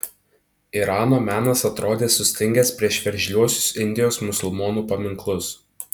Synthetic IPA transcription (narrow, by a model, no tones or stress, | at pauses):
iɾɑːnoːmʲæːnɐsɐt̪ɾoːd̪ʲeːsʊsʲt̪ʲɪŋʲɡʲɛspʲɾʲiɛʃʋʲɛɾʲʒʲlʲuɔsʲʊ̥sɪnʲd̪ʲɪjoːsmʊsʊlˠmoːnuːpɐmʲɪŋklˠʊs